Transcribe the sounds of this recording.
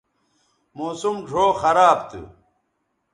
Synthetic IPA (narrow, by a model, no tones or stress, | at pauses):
moːsumɖʱoːxɐɾaːbt̪ɨ̰